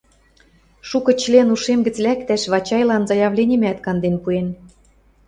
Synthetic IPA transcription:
ʃukɤ̆t͡ɕlʲenuʃemɡə̆t͡slækt̪æʃβɑt͡ɕɑjlɑnzɑjɑβlʲenʲĭmæt̪kɑnd̪enpuen

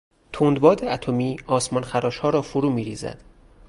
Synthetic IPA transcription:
t̪ʰoːnd̪bɒːd̪eæt̪ʰomiːɒːsmɒːnxæɾɒːʃhɒːɾɒːfoɾuːmiːɾiːzæ̰d̪̥

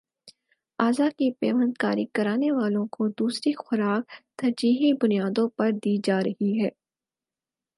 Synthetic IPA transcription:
aːzakipeːmə̃nt̪kaːɾikɐɾaːneʋaːlõkod̪uːsɾixʊɾaːk̚t̪ɐɾd͡ʒiːɦibʊnijaːd̪õpɐɾd̪iːd͡ʒaːɾɐhiɦɛː

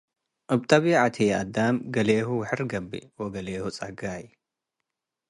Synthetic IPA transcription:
ʔɐbt̪ʼɐβiʕat̪ʰia̰d̪amɡɐleːhuwħɨɾɡɐbːḭwɔɡɐleːhut͡sʼɐɡaj

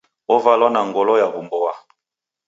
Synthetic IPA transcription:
ovalɔnaŋɡɔlɔjabumbɔwa

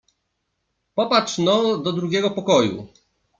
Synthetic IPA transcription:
pɔpat͡ʂnɔd̪ɔd̪ɾuɡʲɛɡɔpɔkɔjṵ

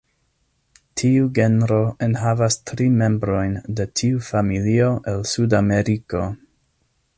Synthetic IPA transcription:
tʰiuɡe̞nɾo̞ʔenɦavastɾime̞mbɾo̞jnde̞tʰiufamilio̞ʔe̞lsudame̞ɾiko̞

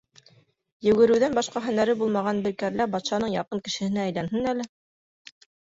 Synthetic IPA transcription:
jɵ̆ɡɘ̆ɾɘ̆wðænbɑʃqɑɦɵ̆næɾɘbulˠmɑʁɑnbɘ̆ɾkæɾlæbɑt̪ʃɑnɤɴjɑqɤŋkɘ̆ʃɘ̆hɘ̆næːjlænɦɘnælɘ

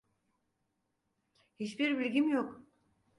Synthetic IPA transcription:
hit͡ʃbiɾbilʲɡʲimjok

